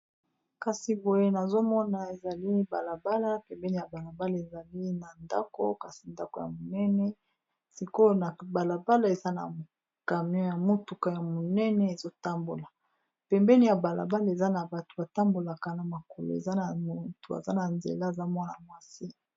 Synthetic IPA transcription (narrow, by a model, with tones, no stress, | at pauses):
ka˨si˨bo˨je˦na˨zo˦mɔ˦na˨e˨za˨li˦ba̰˨la˨ba˦la˦pɛ˨mbɛ˦ni˨ja˨ba˨la˨ba˦la˨e˨za˨li˦na˨nda̰˦ko̰˦ka˨si˨nda˦ko˨˦ja̰˨mo˨nɛ˦nɛ˦ | si˨ko˦na˨ba˨la˨ba˦la˦e˨za˦na̰˨m˨ | ka˨mi˦ɔ˦ja˨mo˦tu˨ka˨ja˨mo˨nɛ˦nɛ˦e˨zo˦ta˦mbo̰˨la˨ | pɛ˨mbɛ˦ni˨ja˨ba˨la̰˨ba˦la˦˨e˨za˦na˨ba˨tu˨ba˨ta˦mbo˨la˨ka˨na˨ma˨ko˨lo̰˨ḛ˨za˦na˨mo˨tu˨a̰˨za˦na˨nzḛ˨la˦e˨za˦mwa˦na˨mwa˦si˦